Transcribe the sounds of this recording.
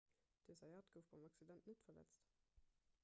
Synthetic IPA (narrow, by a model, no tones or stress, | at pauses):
d̥eːzɑjaːtɡ̥əʊfb̥ɑmɑksidɛntnətfɐlɛ̰t͡st